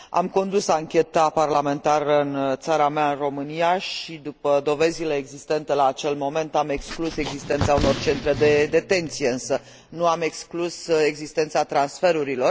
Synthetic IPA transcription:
a̰mko̞nd̪usaŋkʲe̞t̪aparlame̞nt̪aɾəɨnt̪saɾameaɨnro̞mɨnijaʃid̪upəd̪o̞ve̞zile̞eɡzist̪e̞nt̪elaːt͡ʃe̞lmo̞me̞nt̪ame̞kskluse̞ɡzist̪e̞nt̪sauno̞rt͡ʃe̞nt̪ɾe̞d̪e̞d̪e̞t̪e̞nt̪sijeɨnsə | nuame̞kskluse̞ɡzist̪e̞nt̪sat̪ɾansfe̞ɾuɾilo̞r

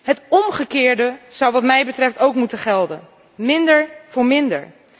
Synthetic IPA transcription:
ɦətɔmχəkɪːɹdəz̥ʌwʋɑtmɛjbətrɛftowkmutəχɛlˠdə̰n | mɪndəɹv̥ʊːɹmɪndə̰ɹ

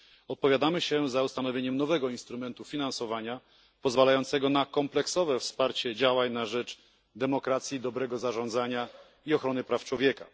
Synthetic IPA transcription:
ɔt̪̚pɔvʲjad̪amɘɕɛzaust̪anɔvʲeɲɛmnɔvɛɡɔinst̪ɾumɛnt̪ufʲinãnsɔvaɲa | pɔzvalajɔnt̪sɛɡɔnakɔmplɛksɔvɛfspaɾt͡ɕɛd͡ʑawaɲnaʐɛt͡ʂ | d̪ɛmɔkɾat̪sʲjid̪ɔbɾɛɡɔzaʐɔnd̪zaɲa | iɔxɾɔnɘpɾaft͡ʂwɔvʲjɛka̰

